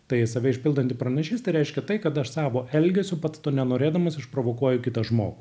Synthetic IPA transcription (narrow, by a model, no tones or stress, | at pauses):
t̪ɐɪsɐʋʲɛɪʃʲpʲɪlˠd̪ɐnt̪ʲɪpɾɐnʲɛʃʲiːst̪ɐɪɾʲɛɪʃʲkʲɛt̪ɐɪkɐt̪ɐʃsɑːʋoːʔɛlʲɡʲɛsʲʊpɐt̪t̪oːnʲɛnoːɾʲeːd̪ɐmɐsɪʃpɾoːʋoːkuɔjʊkʲɪt̪ɐʒmoːɡʊ